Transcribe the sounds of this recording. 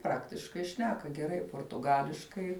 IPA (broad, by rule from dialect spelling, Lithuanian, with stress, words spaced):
ˈprɑːktʲɪʃkɐɪ ˈʃʲnʲæːkɐ ɡʲɛˈrɐɪ poːrtʊˈɡɑːlʲɪʃkɐɪ